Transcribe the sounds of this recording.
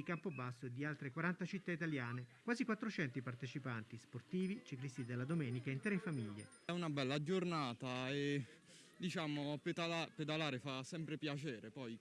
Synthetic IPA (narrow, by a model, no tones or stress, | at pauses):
ikampobasːoed̪ːialt̪ɾekwaɾant̪at͡ʃit̪ːait̪aljaːnekwaːzikwat̪ːɾot͡ʃɛnt̪ipart̪et͡ʃipant̪isport̪iːvit͡ʃiklist̪id̪elːad̪omɛːnikaint̪ɾefamiʎːḛ | ɛunabɛlːad͡ʒornaːt̪ae | d̪it͡ʃaːmoped̪alaped̪alaːɾefasɛmpɾepjat͡ʃɛːɾepɔj